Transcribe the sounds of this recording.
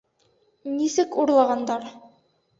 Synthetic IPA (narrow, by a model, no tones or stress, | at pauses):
nisɘkuɾlˠɑʁɑnd̪ɑɾ